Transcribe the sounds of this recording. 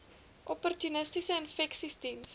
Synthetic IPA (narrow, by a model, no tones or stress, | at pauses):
ʔɔpɔrtunəstisəənfɛksistins